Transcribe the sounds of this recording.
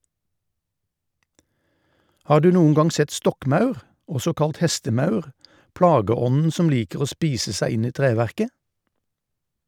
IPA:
ˈhɑːʁ ˈdʉː ˈnuːən ˈɡɑŋ ˈsɛt ˈstɔkˌmɑʉʁ ˈɔsɔ ˈkɑlt ˈhɛstəˌmɑʉʁ ˈpɽɑːɡəˌɔnn̩ ˈsɔm ˈliːkəʁ ˈoː ˈspiːsə ˈsæɪ ˈɪn ˈiː ˈtʁeːʋæʁkə

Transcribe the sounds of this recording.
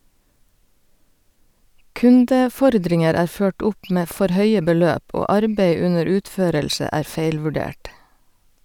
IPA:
ˈkʉndəˌfɔɾdɾɪŋəɾ ˈæːɾ ˈføːʈ ˈʊp ˈmeː ˈfɔɾ ˈhœʏə bəˈløːp ˈoː ˈɑɾbæɪ ˈʉnəɾ ˈʉːtˌføːɾɛlʃə ˈæː ˈfæɪlʋʉɖeːʈ

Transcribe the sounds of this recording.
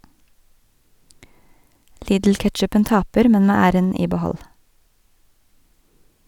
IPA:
ˈliːdl̩ˌkɛtʃʉpən ˈtɑːpəɾ ˈmɛn ˈmeː ˈæːɾən ˈiː bəˈhɔl

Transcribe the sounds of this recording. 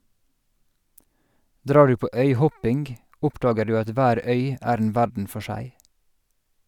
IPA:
ˈdɾɑː ˈɖʉː ˈpoː ˈœʏˌhɔpɪŋɡ ˈʔʊpdɑːɡə ˈdʉː ˈɑt ˈʋæːɾ ˈœʏ ˈæːɾ ˈeːn ˈʋæɖɳ̩ ˈfɔ ˈʃæɪ

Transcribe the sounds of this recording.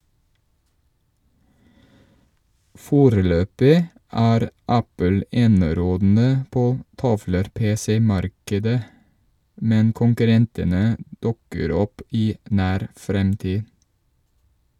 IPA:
ˈfoːɾəˌløːpɪ ˈæːɾ ˈæpəl ˈeːnəˌɾoːdn̩ə ˈpoː ˈtɑʋləɾˌpeːsɛˌmɑɾkədə ˈmɛn kʊŋkʉˈɾɛntənə ˈdʉkəɾ ˈɔp ˈiː ˈʔnæːɾ ˈfɾɛmtiː

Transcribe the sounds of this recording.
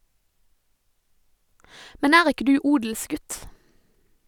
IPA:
ˈmɛn ˈæːʁ ˈɪkə ˈdʉː ˈuːdəlˌsɡʉt

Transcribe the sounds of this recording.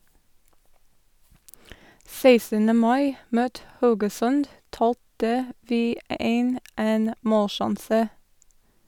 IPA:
ˈseɪsənə ˈmɑɪ ˈmøːt ˈhɑʉɡəˌsœnd ˈtɑːltə ˈʋiː ˈeːn ˈeːn ˈmoːlˌʃɑnsə

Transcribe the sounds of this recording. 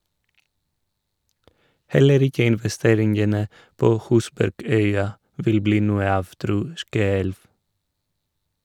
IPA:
ˈhɛləɾ ˈɪkə ɪnʋɛˈsteːɾɪŋənə ˈpoː ˈhʉːsbæɾˌɡœʏɑ ˈʋɪl ˈbliː ˈnuːə ˈɑːʋ ˈtɾuː ˈskøːɛlʋ

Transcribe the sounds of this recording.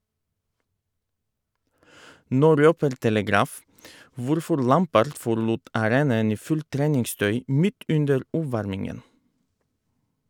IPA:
ˈnoː ˈɾøːpəɾ tɛləˈɡɾɑːf ˈʋʊɾfɔɾ ˈlæmpəɾd fɔɾˈluːt ɑˈɾeːnɑən ˈiː ˈfʉlt ˈtɾeːnɪŋˌstœʏ ˈmɪt ˈʉndəɾ ˈuːˌʋɑɾmɪŋən

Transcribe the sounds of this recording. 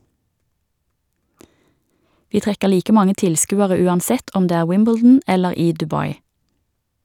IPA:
ˈʋiː ˈtʁɛkə ˈliːkə ˈmɑŋə ˈtɪlˌskʉːəʁə ˈʉːɑnˌsɛt ˈɔm ˈdeː ˈæːʁ ˈwɪmbl̩dn̩ ˈɛləʁ ˈiː dʉˈbɑɪ

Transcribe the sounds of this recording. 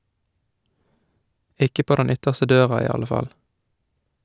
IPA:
ˈʔɪkə ˈpoː ˈdɛn ˈʏtəʁstə ˈdøːʁɑ ˈiː ˈɑlə ˈfɑl

